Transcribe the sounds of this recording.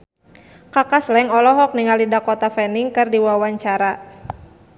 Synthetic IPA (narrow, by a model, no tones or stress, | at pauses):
kakaslɛŋɔlɔɦɔk̚niŋalidakɔt̪afɛniŋkɨrdiwawaɲt͡ʃaɾa